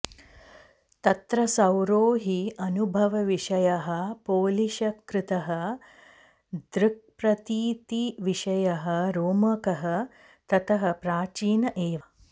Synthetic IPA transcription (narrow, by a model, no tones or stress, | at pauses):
t̪ɐt̪ɾɐsɐwɾoːɦiɐnubʱɐʋɐʋiʂɐjɐɦɐpoːliʃɐkɾɪt̪ɐɦɐ | d̪ɾɪk̚pɾɐt̪iːt̪iʋiʃɐjɐɦɐɾoːmɐkɐɦɐ | t̪ɐt̪ʰɐɦɐ̆pɾaːt͡ʃiːnɐʔeːʋɐ